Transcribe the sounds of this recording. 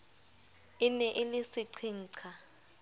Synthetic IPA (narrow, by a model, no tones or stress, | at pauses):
ɪnɛʔelisiǀʰiŋ̩ːǀʰa